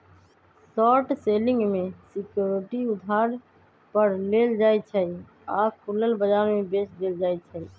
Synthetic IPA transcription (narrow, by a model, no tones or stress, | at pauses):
sɔːʈseːlɪ̃ŋɡmẽsɪkjoːɾɪʈiʊd̪ʱaːɾ | pəɾleːld͡ʒaːit͡ʃʰɛi | aːkʰʊləlbəd͡ʒaːɾmẽbeːsd̪eːld͡ʒaːit͡ʃʰəi